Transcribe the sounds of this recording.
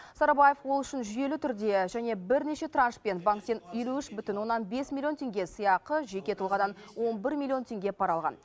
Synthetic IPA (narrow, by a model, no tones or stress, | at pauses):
sɑɾabaje̞fwo̞lˠʏʃɪnʒʏje̞lɪt̪ʰʏɾd̪e̞ʒæne̞bɪɾne̞ʃe̞t̪ranʃpe̞nbaŋkt̪enje̞luʏʃbʏt̪ɪnwo̞nːɑnbe̞smʲilʲˠio̞nt̪ʰʲe̞ŋɡʲe̞səjɑqəʒe̞kʲe̞t̪ʰulˠʁɑd̪ɑnwo̞nbɪɾmʲilʲːˠijo̞nt̪ʲʰe̞ŋɡʲe̞pʰɑɾɑlˠʁɑ̰n